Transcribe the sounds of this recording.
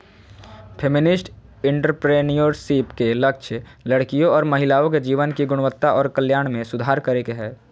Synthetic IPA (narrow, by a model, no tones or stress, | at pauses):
pʰemɪnɪsʈ | ɪ̃ɳʈəɾpɾeːnijoɾsiːpkelɐk̚ʃʰləɽkijõɔːɾmɐɦɪlaːõked͡ʒiːʋənkiɡʊɽ̃ʋət̪ːaʔɔːɾkəljaːɽ̃mẽsʊd̪ʱaːɾkɐɾekeɦɛː